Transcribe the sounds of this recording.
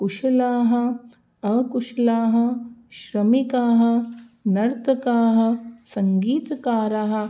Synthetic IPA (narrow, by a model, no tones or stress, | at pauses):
kuʃɐlaːɦɐ̆ | ɐkuʃlaːɦɐ̆ʃɾɐmikaːɦɐ̆nɐɾt̪ɐkaːɦɐ̆sɐŋɡiːt̪kaːɾɐɦɐ̆